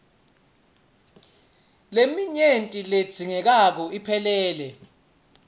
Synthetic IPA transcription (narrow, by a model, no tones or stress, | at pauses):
lemiɲentʼiled̥z̥ʱiŋɛk̬ak̬ɔipʰɛlɛːlɛ